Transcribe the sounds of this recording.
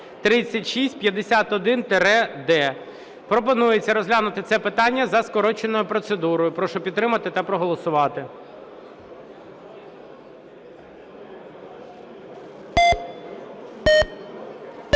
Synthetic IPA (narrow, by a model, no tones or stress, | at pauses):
t̪ɾɪt͡sʲːɐtʲʃisʲtʲpʲjɐd̪esʲat̪ɔd̪ɪnt̪eɾɛd̪ɛ | pɾɔp̬ɔnujet͡sʲːɐɾɔzɦlʲanʊt̪ɪt̪sɛpɪt̪ɑnʲːɐzɐskɔɾɔt͡ʃenɔjʊpɾɔt̪sed̪uɾɔjʊpɾɔʃʊpʲid̪t̪ːɾɪmɐt̪ɪt̪ɐpɾɔɦɔlˠɔsʊʋɑt̪ɪ